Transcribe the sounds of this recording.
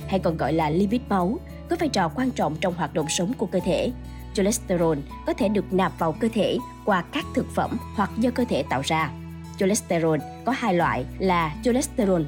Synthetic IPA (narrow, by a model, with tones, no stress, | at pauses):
ha˧jkɔ˨˩nɣɔ̰˧˨jlaː˨˩li˧vi˦˥t̚ma˨˦w | kɔ˨˦vaː˧jt͡ɕɔ˨˩kwaː˧nt͡ɕɔ̰˧˨wŋ͡mt͡ɕɔ˧wŋ͡mhwaː˨˩t̚ɗə̰˧˨wŋ͡msə˨˦wŋ͡mku˧˩əkəː˧t̪ʰe˧˩˨ | zo˧lɛ˦˥st̪ə˧zo˧n | kɔ˨˦t̪ʰe˧˩ɗɨ˨˩ək̚naː˨˩p̚vaː˨˩wkəː˧t̪ʰe˧˩ | kwaː˧kaː˦˥k̚t̪ʰɨ˨˩k̚fə̰˧˩mhwa˨˩k̚zɔ˧kə˧t̪ʰe˧˩t̪a̰ː˧˨wzaː˧ | zo˧lɛ˦˥st̪e˧zo˧n | kɔ˨˦haː˧jlwa̰ː˧˨jlaː˨˩zo˧lɛ˦˥st̪e˧zo˧n